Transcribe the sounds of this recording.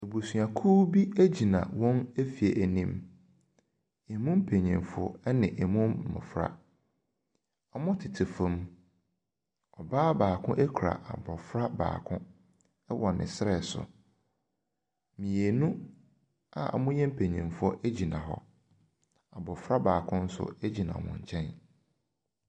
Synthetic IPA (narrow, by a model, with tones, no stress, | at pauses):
e˨bu˨sɥa˨kʰu˦bi˦æ˦d͡ʑi˨nã̰˨wɔ̃˦ne˦fi˨e˨ʔæ˨nĩ˦m | ɛ˨mʊ̃˦m˦pʰe˨ɲɛ̃˨nfʊ˦ɔ˦ɛ˦nɪ̃˨ʔɛ˨mʊ̃˦m˨mʊ̰̃˨fɾa̰˨ | a˨mʊ̃˦tʰɪ˨tʰɪ˨fõ˨m | ɔ˨baː˦baː˨kʰʊ̃˦ʔe˦kʰu˨ɾa̰˨ʔa̰˨bɔ˨fɾa˦ba̰ː˨kʰʊ̃˦ | ɛ˦wʔɔ˨nɪ̰̃˨sɾɛ˨sʊ̰˨ | mĩ˨e˨nũ˦ | a̰˨a̰˨mʊ̃˦jɛ̃˦m̩˦pʰe˨ɲɛ̃˨nfʊ˦ɔ˦ʔe˦d͡ʑi˨nã̰˨ɦɔ̰˨ | a˨bɔ˨fɾa˦baː˨kʰʊ̃˦n̩˦sʊ̰˨e˦d͡ʑi˨nã̰˨mʊ̰̃˨ɲ˨t͡ɕʰɛ̃˦n